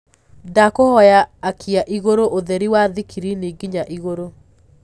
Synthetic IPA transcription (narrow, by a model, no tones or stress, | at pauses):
dakohɔjaːkʰiaʔiɣoɾoʔoðɛɾiwaðikiɾineɡiɲaʔiɣoɾo